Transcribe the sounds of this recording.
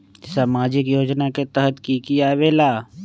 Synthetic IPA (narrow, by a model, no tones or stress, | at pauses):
saːmaːd͡ʒɪkjoːd͡ʒnaket̪əɦət̪kikijaːʋeːlaː